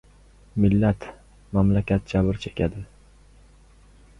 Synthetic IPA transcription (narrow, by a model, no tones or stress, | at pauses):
mɪlːat̪ | mamlakʲat̪̚d͡ʒabɪɾt͡ʃʰe̥kʲʰad̪ɪ